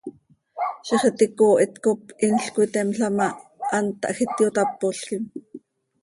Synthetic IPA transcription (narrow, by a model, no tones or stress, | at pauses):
ʃiχet̪ikoːʔit̪kopinɬkwit̪ɛmɬɑmɑʔɑnt̪ɑ̰ʔxit̪jot̪ɑpːoɬkim